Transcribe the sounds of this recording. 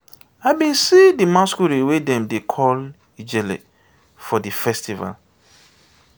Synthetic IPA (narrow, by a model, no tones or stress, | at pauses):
aɪbĩnsidimãskuɾiwedɛ̃mdekʰɔl | id͡ʒɛlḛ | fɔdifɛstiva̰l